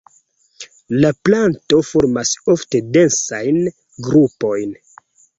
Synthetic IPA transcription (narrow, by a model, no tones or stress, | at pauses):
laplanto̞foɾmaso̞fte̞de̞nsajn | ɡɾupo̞jn